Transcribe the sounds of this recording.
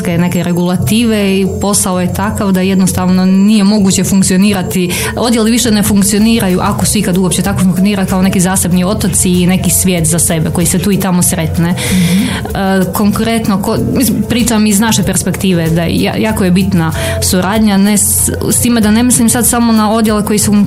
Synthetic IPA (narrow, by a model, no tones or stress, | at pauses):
ke̞ne̞keɾeɡulˠat̪iːʋeipo̞saoje̞t̪akaʋd̪ajed̪nost̪aʋno̞nije̞mo̞ɡuːt͡ɕe̞fuŋkt̪sio̞niːɾat̪i | o̞d̪jeliʋiʃenefuŋkt̪sio̞niːɾajuʔakosuikad̪uopt͡ɕe̞t̪akofuŋkt̪ijoniːɾajkao̞ne̞kizaːse̞bnio̞t̪ot̪siːne̞kisʋʲjeːt̪zase̞beko̞jiset̪uːit̪amo̞sɾe̞t̪ne | ko̞ŋkɾe̞t̪nokomislimpɾiːt͡ʃamiznaʃepeɾspe̞kt̪iːʋed̪aja̰jaːkojebit̪na | suɾʔaːd̪ɲanes | st̪iːmed̪ane̞mislimsad̪samo̞nao̞d̪jeleko̞jisu